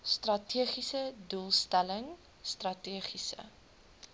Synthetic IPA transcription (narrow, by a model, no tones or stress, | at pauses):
strɐtʰiəχisədulˠstæləŋ | strɐtiəχisə̰